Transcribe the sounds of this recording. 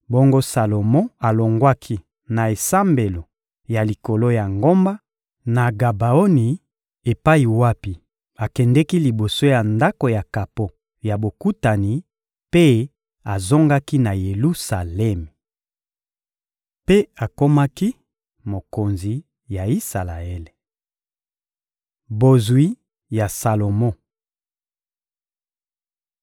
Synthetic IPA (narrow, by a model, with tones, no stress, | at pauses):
bo˦ŋɡo˦sa˨lo˨mɔ̃˦a˨lo˨ŋɡwa˦kʰi˦ | na˨e˨sa˦mbe˨lo˨ | ja˨li˨ko˨lo˦ja˨ŋɡo˦mba˦ | na˨ɡa˨ba˨o˦ni˨ | e˨pa˦i˨wa˦pi˨ | a˨kɛ˨ndɛ˦ki˦li˨bo˨so˦ja˨nda˦ko˨ja˨ka˨po˦ | ja˨bo˨ku˦ta˨ni˨ | pe˦ | a˨zo˦ŋɡa˦ki˦na˨je˨lu˦sa˨lɛ˦m˨ | pe˦a˨ko˦ma˦ki˦ | mo˨ko˨nzi˨ | ja˨i˦sa˨la˨ɛ˦le˨ | bo˨zwi˦ | ja˨sa˨lo˨mɔ̃˦